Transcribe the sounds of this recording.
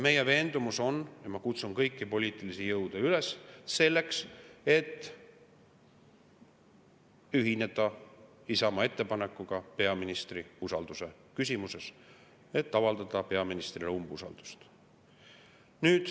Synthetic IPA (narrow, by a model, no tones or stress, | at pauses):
me̞je̞ve̞ːnd̪̥umuso̞njɑmɑkut̪sunkɤjkːipo̞lʲiːt̪ːˑilisijɤwd̪̥eylesse̞lːe̞kse̞t̪ː | yɦine̞d̪̥ɑ | isɑmɑe̞t̪ːe̞pɑnekːˑuɡ̥ɑpe̞ɑminist̪riusɑld̪̥use̞ | kys̬ʲimuse̞s | e̞t̪ːɑvɑld̪ɑd̪̥ɑpe̞ɑminist̪rilumbusɑ̰ld̪̥u̥st̪ | nyːd̪̥